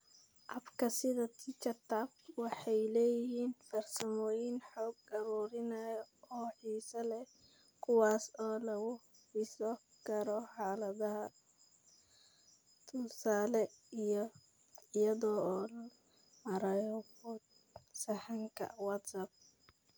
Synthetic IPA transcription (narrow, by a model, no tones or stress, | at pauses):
ʔɐbkʰɐsɪðɐt̪ʰɪt͡ʃɐt̪ʰabwɑħɑjlɛːjɪhiːnfɐrsɐmɔːjɪnħɔːɡɐɾuːɾɪnɐjɔɔːħiːsɐlɛ | kʰʊwɑːsɔːlɐɣʊ | ħisɔ | ɡɐɾɔħaːlɐðɐɦɐ | t̪ʰʊlsaːlɛijɔ | ɪjɐðɔːl | mɐɾɐjɔbʊt̪ | sɐħɑŋkʰɐ̰wɐt̪sɐb̚